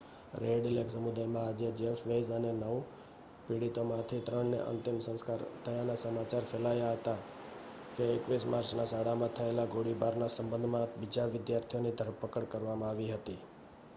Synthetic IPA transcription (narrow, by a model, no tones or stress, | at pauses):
ɾeɖileksəmud̪ajmãad͡ʒed͡ʒeʃʋezənenəʋ | piɽit̪omãt̪ʰit̪ɾəɳnḛʔə̰nt̪ɪmsə̃skaɾt̪ʰəjanasəmat͡ʃaɾfʰelajaɦət̪a | keːkʋismaɾt͡ʃnasaɽamãt̪ʰəelaɡoɽibaɾnasəmbənd̪ʱmãbid͡ʒaʋɪd̪jaɾt̪ʰijonid̪ʱəɾpəkəɽkəɾʋamãaʋiɦət̪i